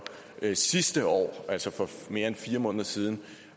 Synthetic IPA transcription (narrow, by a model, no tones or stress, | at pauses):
sisd̥əɒ̰ːʔæl̰sɒfɒ̽me̝ɐenfiːɐmɔ̽ːnðˠɐsiːð̞ˠn̩